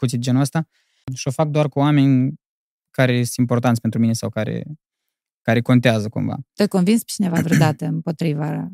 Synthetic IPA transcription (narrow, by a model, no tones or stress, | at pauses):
put̪sʲid̪d͡ʒe̞nuəst̪a | ʃio̞fak̚d̪oarkuame̞nʲ | kaɾe̞jest̪impo̞rt̪̬ant̪sʲpent̪ɾumine̞sawkaɾḛ | kaɾe̞ko̞nt̪eazəkṵɱva̰t̪əkonvinspe̥t͡ʃinevavɾd̪at̪eɨmpo̞t̪ɾiva